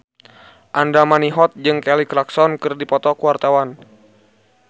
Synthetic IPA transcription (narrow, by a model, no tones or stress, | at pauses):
ʔandamaniɦɔt̪̚d͡ʒɨŋkɛlikɾaksɔnkɨrdipɔt̪ɔkuwart̪awan